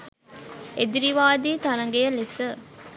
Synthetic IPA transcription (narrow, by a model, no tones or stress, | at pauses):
ed̪iɾiʋaːd̪iːt̪ɐɾɐŋɡejəlesə